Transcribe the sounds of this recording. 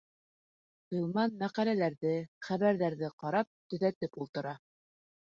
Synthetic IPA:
tɤ̆lˠmɑnmæqælælæɾðɘχæβæɾðæɾðɘqɑɾɑp̚t̪ɵ̆ðæt̪ɘpulˠt̪ɤ̆ɾɑ

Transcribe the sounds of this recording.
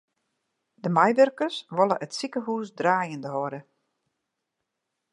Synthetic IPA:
dəmajʋørkəsʋɔlˠəʔətsikəɦuːsdraːjəndəɦɔɾə

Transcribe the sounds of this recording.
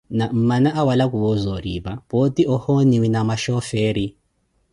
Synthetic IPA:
nam̩manaʔawalakuwɔzɔɾiβapotiʔɔhɔniwinamaʃɔfɛːɾi

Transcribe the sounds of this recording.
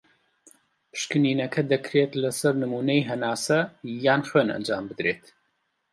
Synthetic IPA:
pʰɨ̥ʃkɨniːnɐkʰɐd̪ɐkʰɾeːt̪lɐsɐɾnɨmuːnɐjɦɐnaːsɐjaːnxwenɐ̰nd͡ʒaːmbɨd̪ɾeːt̪

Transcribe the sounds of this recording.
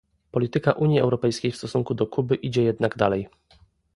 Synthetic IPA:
pɔlʲit̪ɘkaʔuɲjiɛwɾɔpɛjskʲejfst̪ɔsuŋkud̪ɔkʰubɘʔid͡ʑɛjɛd̪naɡd̪alɛj

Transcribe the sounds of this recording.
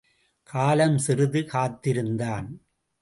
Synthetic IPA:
kʰaːlɐmsɪrɯðɯkaːt̪ːɪɾɯnd̪aːn

